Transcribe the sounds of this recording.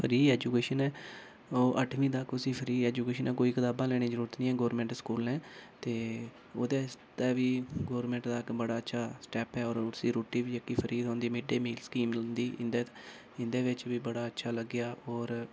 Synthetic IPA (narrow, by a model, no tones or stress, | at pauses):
pʰəɾiːɛːd͡ʒuːkeːʃənɛː | oːʔəʈʰʋĩːd̪aːkʊsĩːpʰəɾiːɛːd͡ʒuːkeːʃənɛːkoːiːkət̪aːbãːlɛːɽ̃eːd͡ʒəɾuːɾət̪nĩːɛːɡoːɾmɛ̃ːɳʈskuːlɛ̃ːt̪eː | oːd̪eːst̪ɛːʋiːɡoːɾmɛ̃ːɳʈd̪aːkbəɽaːətːʃʰaːsʈɛːpɛːɔːɾʊsiːɾoːʈiːʋiːd͡ʒəkːiːpʰəɾiːd̪ɦõːnd̪iːmeːɖeːmiːlskiːmlənd̪iːʔɪ̰̃nd̪eː | ɪ̃nd̪eːʋɪt͡ʃʋiːbəɽaːətːʃʰaːləɡjaːɔːɾ